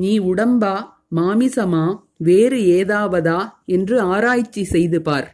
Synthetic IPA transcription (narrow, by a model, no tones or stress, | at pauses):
niːʊɽɐmbaː | maːmɪsɐmaː | ʋeːɾɯeːðaːʋɐðaːɛndrɯaːɾaːjt͡ʃːisɛjðɯpaːɾ